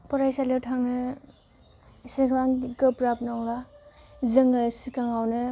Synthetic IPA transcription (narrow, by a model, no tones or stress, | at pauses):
pɔɾajsaletʰaŋnɯ | sikʰaŋɡɯpɾap̚nɔŋla | zɯŋɯsikaŋawnɯ